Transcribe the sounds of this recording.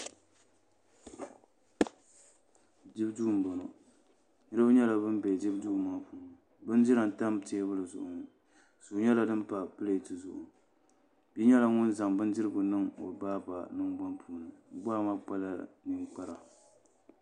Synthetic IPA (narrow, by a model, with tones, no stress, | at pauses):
d͡ʒi˦bduː˦˨m̩˨bɔ˨no˨ | nɨ˦ɾɨ˦bɨ˦ɲɛ˦la˨bɨ˦mbɛ˨di˦bdu˦˨mːaː˦pu˨n˨ | bɨ˦n˦d͡ʒi˦ɾa˨n˨ta˦mte˦bɨ˦lɨ˨zʊ̰˨ʔʊ˨ŋ˨ | su˨ɲɛ˦la˨dɨ˦m˦pa˨pɨ˦le˨tɨ˨zʊ˨ʔʊ̰˨ | bi˦ɲɛ˦la˨ŋʊ˦nza˨ŋbɨ˦ndi˦ɾɨ˦ɡʊ˨nɨ˦ŋo̰˨baː˦ba˨nɨ˦ŋba˦npʰuː˨nɨ˨ɡ͡ba˦ma˦k͡pa˦la˦ni˦ŋk͡pa˦ɾa˨